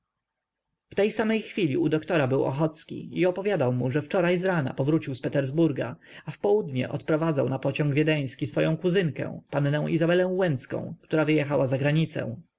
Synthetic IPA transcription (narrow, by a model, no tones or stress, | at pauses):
ft̪ɛjsamɛjxfʲilʲiud̪ɔkt̪ɔɾabɘwɔ̰xɔt̪skʲḭiɔpɔvʲjad̪awmuʐɛft͡ʂɔɾajzɾana̰pɔvɾut͡ɕiwspɛt̪ɛɾzbuɾɡa | afpɔwud̪ɲɛ̰ʔɔt̪pɾɔvad̪zawnapɔt͡ɕɔŋɡvʲjɛd̪ɛj̃skʲisfɔjɔ̃w̃kuzɘŋkɛ̰w̃panːɛ̃w̃ʔizabɛlɛ̃w̃wɛnt̪skɔ̰̃w̃kt̪uɾavɘjɛxawazaɡɾaɲit̪sɛ̰̃w̃